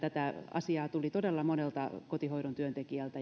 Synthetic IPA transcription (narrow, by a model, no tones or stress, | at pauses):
t̪æt̪æɑ̰siɑːt̪ulit̪odelːɑmonelt̪ɑkot̪ihoiɾont̪yønt̪ekiælt̪æ